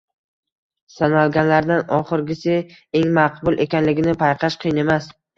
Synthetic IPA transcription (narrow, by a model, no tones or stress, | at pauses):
sanalˠɡʲanlaɾd̪anɒχɨɾɡʲɪsɪeŋmaqbʊlˠʔe̞kʲanlɪɡʲɪnɪpʰajqʰɑʃqʰɨjne̞mas